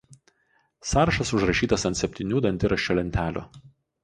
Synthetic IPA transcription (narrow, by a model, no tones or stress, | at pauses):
sɑːɾɐʃɐsʊʃɾɐʃʲiːt̪ɐsɐnt̪ʲsʲɛpʲt̪ʲɪnʲuːd̪ɐnʲt̪ʲɪɾɐʃʲt͡ʃʲolʲɛnʲt̪ʲæːlʲʊ̰